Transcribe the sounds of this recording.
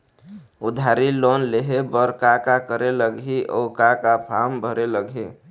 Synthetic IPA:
ud̪ʱaɾilonleɦebəɾkakakəɾeləɡɦiʔɔ̰kakapʰambʱəɾeləɡʱi

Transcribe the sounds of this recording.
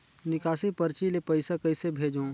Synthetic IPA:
nɪkaːsipɐɾt͡ʃilepɐɪsakɐɪsebʱeːd͡ʒõː

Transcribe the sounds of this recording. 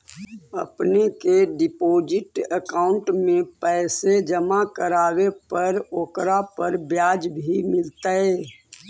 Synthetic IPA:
ə̰pnekeɖɪpoːd͡ʒɪʈəkaːʊ̃ɳʈmẽpɛːsed͡ʒəmakəɾaːwepəɾoːkɾapəɾbjaːd͡ʒbʱimɪlt̪aeː

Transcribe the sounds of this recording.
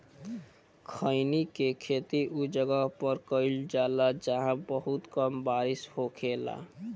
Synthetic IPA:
kʰəɪnikekʰet̪iʔud͡ʒəɡəɦpəɾkəɪld͡ʒalad͡ʒaɦãbəɦut̪kəmbaɾɪshokʰela̰

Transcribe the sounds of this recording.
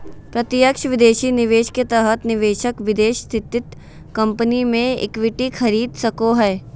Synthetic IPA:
pɾɐt̪ɪjəkʃəʋɪd̪eːʃinɪʋeːʃket̪ɛɦət̪nɪʋeːʃəkʋɪd̪eːʃst̪ʰɪt̪ɪt̪ | kɐ̃mpənimẽɪ̰kʋɪʈixʰɐɾiːd̪sɐkoɦɛː

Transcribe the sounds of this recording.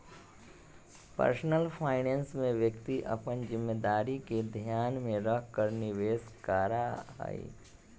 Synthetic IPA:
pə̰ɾsnəlpʰaːɪnẽːnsmẽʋjəkt̪iʔə̰pənd͡ʒɪmːeːd̪aːɾiked̪ʱjaːnmẽɾəkkəɾnɪʋeːskaːɾaa̰ːḭː

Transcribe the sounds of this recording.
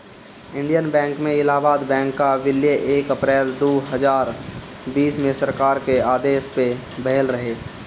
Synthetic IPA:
ɪ̃ɳɖijənbɛ̃ːŋkmẽɪlaːbaːd̪bɛ̃ːŋkːaʋɪljəʔeːkəpɾɛːld̪oːɦəzaːɾ | biːsmẽsəɾkaːɾkeaːd̪eːspe | bəɦlɾəɦeː

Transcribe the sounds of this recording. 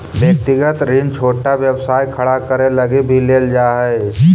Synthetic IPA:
bjək̚t̪ɪɡət̪ɾint͡ʃʰoːʈaʋjəbsaːjkʰəɽakəɾeləɡibʱileːld͡ʒaːɦɛ

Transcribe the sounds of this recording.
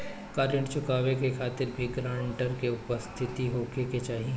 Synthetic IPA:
kaːɾəɳʈt͡ʃʊkaːʋekekʰaːt̪ɪɾbʱiɡɾãːɳɳʈəɾkeʊpəst̪ʰɪt̪iɦoːkeket͡ʃaːɦie

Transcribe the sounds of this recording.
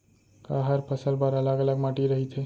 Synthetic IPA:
kaɦəɾpʰəsəlbəɾalaɡələɡmaʈiɾəɦit̪ʰe

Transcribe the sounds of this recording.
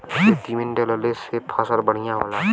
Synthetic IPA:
ed̪imenɖeləlesepʰasəɾbəɽ̤ijãɦo̰ːlã

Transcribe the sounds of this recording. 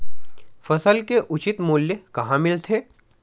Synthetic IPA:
fɐsəlkeʔʊt͡ʃɪt̪mʊːljəkɐɦãmɪlt̪ʰeː

